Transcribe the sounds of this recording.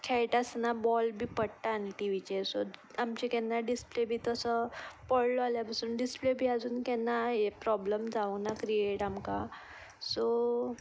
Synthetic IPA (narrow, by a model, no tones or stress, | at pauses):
kʰɛjʈəsnabɔlbʱiːpəɽʈaːniʈiʋit͡ɕesoamt͡ɕikɛnːaɖisplebʱiːt̪əsəpəɽloaljapasuːnɖisplebʱiːad͡zuːnkɛnːaepɾɔbləmd͡zaʋənakɾieʈamka | so